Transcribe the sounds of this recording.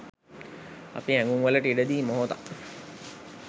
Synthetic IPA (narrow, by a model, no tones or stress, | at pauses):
a̰piɦɛ̃ŋɡuŋʋələʈiɖəd̪iːmoɦot̪a̰